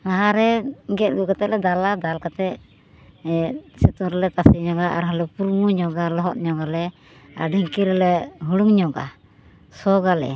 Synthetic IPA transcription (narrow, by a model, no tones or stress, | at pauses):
ɾaɦaɾɛɡɛt̪̚ɡɔkat̪ɛʔ̚lɛd̪alad̪alkat̪ɛ | sɛt̪uɾɛlɛt̪asiɲɔɡaʔaɾɦɔlɛpuɾmuɲɔɡalɔɦɔt̪̚ɲɔɡalɛ | a̰ɾɖʱiŋkiɾɛlɛɦuɽuŋɲɔɡa̰ | sɔɡalɛ̰